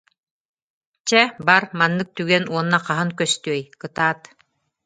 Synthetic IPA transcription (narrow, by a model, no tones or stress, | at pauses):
t͡ɕɛbaɾmanːɯk̚t̪yɡɛnuɔnːaqaɦɯŋkœst̪yœjkɯt̪aːt̪